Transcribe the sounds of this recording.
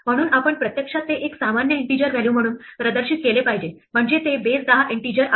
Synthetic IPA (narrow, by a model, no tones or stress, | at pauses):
m̤əɽ̃uːnapəɳpɾət̪jəkʂat̪ːeʔeksamanjəeɳʈid͡ʑəɾʋæljuːm̤əɽ̃uːnpɾəd̪əɾɕiːt̪̚kelepaɦid͡ʑem̤əɳd͡ʑet̪ebet͡sd̪aɦaʔeɳʈid͡ʑəɾʔa